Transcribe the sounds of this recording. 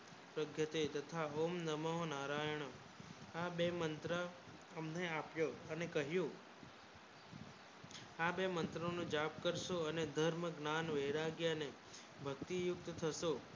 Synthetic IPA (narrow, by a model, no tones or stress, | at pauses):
pɾəɡʱjət̪et̪ət̪ʰaomnəməɦonaɾajɳ̃o | abemənt̪ɾə | əmneapjoənekəɦjũ | abemənt̪ɾonũd͡ʒapkəɾʃoəned̪ʱəɾməɡnanʋeɾaɡjane | bʱəkt̪ijʊkt̪t̪ʰəʃo